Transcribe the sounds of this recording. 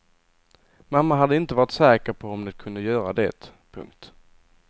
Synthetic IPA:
mamːaɦad̪ːəɪnt̪əvɑːɾɪt̪sɛːkəɾpʰɔɔmd̪ɛt̪̚kʰɵnd̪əjœːɾad̪ɛ̰t̪ | pʰɵ̰ŋkt̪

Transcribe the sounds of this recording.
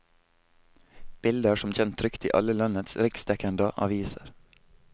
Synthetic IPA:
b̥ɪld̪əʃɔmc͡çɛnt̪ʰɾʏkt̪ḭːʔɑ̰ləlɑnət̪sɾɪkst̪ɛkənd̪əʔɑ̰ʋiːsəɾ

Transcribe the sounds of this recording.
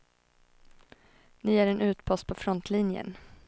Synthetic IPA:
nɪæɾɛnʉ̟ːt̪pʰɔst̪̚pʰɔfɾɔnt̪ʰlinjə̰n

